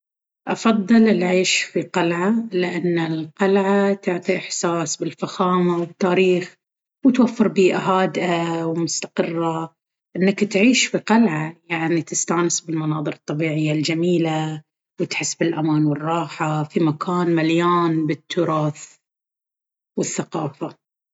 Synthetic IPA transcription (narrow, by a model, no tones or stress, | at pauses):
ʔɑfɑðˤːɨlɪlʕiːʃfiqalʕalɪʔanːɪlqɑlʕat̪ʊʕt̪ˤiʔɪħsaːsbɪlfaxaːmawɪt̪ːaːɾiːx | wɪt̪wafːɨɾbiːʔaɦaːd̪ʔawmʊst̪ḁqɨrːa | ʔɪnːakt̪ʕiːʃfiqɑlʕajaʕnit̪ɪst̪aːnɪsbɪlmɑnɑːðˤɨɾɨt̪ˤːɑbiːʕɪjːald͡ʒamiːla | wɪt̪ħɪsːbɪlʔamaːnwɪrˤːɑːħafimakʰaːnmaljaːnbɪt̪ʰːʊɾˤɑːθ | wɪθːaqɑːfa